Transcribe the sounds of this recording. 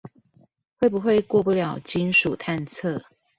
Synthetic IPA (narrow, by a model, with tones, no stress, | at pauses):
we˥˩ɪpu˨˦xwe˥˧ɪkwɔ˥˧pu˥˩ljɑ˨˩ʊt͡ɕi˦nʂu˨˩t̪ʰa˥˧nt͡sʰɤ˥˨